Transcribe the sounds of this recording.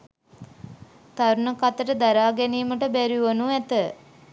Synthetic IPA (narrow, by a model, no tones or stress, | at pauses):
t̪aɾunəkat̪əʈəd̪aɾaːɡɛniːməʈəbæɾiʋənuæt̪ə